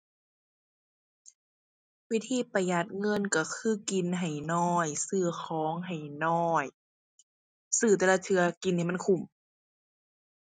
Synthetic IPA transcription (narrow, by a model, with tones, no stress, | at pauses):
wi˦˧˥t̪ʰiː˧˥˨pa˧ja˧˩t̪̚ŋɤ˧˥˨nka˧˩kʰɯː˧˥˨ki˨nɦa˨˩jnɔː˧˩jsɯː˧˩xʰɔː˨˦ŋɦa˨˩jnɔː˧˩j | sɯː˧˩t̪ɛː˧la˧t̪ʰɯ˧ɐki˧˨nːiː˧˨ma˧˥˨nkʰu˧˩m